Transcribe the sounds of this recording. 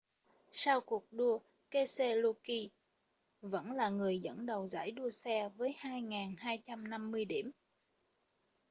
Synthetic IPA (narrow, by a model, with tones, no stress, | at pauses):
sa˧wku˨˩ək̚ɗu˧ə | ke˧se˧lo˧ki˧ | və̰˧˥nlaː˨˩ŋɨ˨˩əjzə̰˧˥nɗə˨˩wza̰ː˧˥˩jɗu˧əsɛ˧vəː˨˦jhaː˧jŋaː˨˩nhaː˧jt͡ɕa˧mna˧mːɨ˧əjɗi˧˩əm